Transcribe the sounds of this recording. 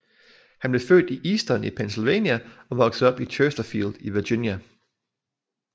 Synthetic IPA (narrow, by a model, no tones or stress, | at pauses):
hænb̥le̝fø̰ːd̥iʔiːsd̥ɒnipʰensilʋɛ̰ːnjæɒ̽ʋɒ̽ɡ̥s̩ˠɒ̽b̥it͡ɕʰøsd̥ɐfiːld̥iʋiɐɡ̥injæ